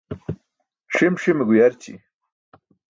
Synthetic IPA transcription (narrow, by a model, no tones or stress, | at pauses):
ʂimʂimeɡujaɾt͡ɕḭ